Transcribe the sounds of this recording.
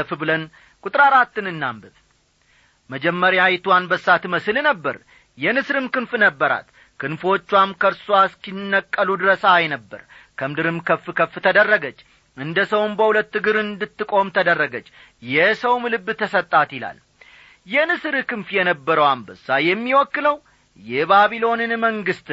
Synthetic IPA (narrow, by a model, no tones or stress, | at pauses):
fbɨlən | kʼut̪ʼɾaɾat̪ːɨnɨnːambɨβ | məd͡ʒɛmːəɾjajt̪uwanbəsːat̪məsɨlnəbːə̰ɾ | jɛnɨsɾɨmkɨnfnəbːəɾa̰t̪ | kʰɨnfo̞t͡ʃːwamkʰəɾswaskinːəkʼːəlud̪ɨɾəsajnəbːə̰ɾkʰəmd̪ɨɾɨmkʰəfkʰəft̪ʰəd̪ərːəɡət͡ʃː | ɨnd̪əsəwnbəhulət̪ːɨɡɨɾɨnd̪ɨt̪ːɨkʼo̞mt̪ʰəd̪ərːəɡət͡ʃː | jɛsəwmlɨbːt̪ʰəsət̪ʼːat̪ɪla̰l | jɛnɨsɨɾɨkɨnfjɛnəbːəɾəwambəsːajɛmːiwɔkːɨləw | jɛbaβilo̞nɨnməŋɡɨst̪